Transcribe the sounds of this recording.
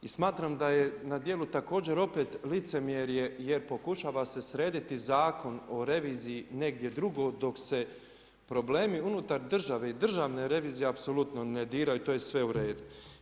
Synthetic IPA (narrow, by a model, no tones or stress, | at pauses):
ismaːt̪ɾamd̪aje̞nad̪je̞lut̪ako̞ːd͡ʑe̞ɾo̞pe̞ːt̪lit̪se̞mjeɾje̞je̞ɾpo̞kuʃaːʋase̞sɾe̞ːd̪it̪izaːkʰo̞no̞ɾe̞ʋiːzijine̞ɡ̚d̪je̞d̪ɾuɡo̞d̪o̞kse̞ | pɾo̞bleːmiunut̪aɾd̪r̩ʒaʋe̞id̪r̩ʒaːʋne̞ɾe̞ʋiːzijeapso̞lut̪no̞ned̪iːɾajut̪o̞ːjesʋe̞uɾe̞ːd̪u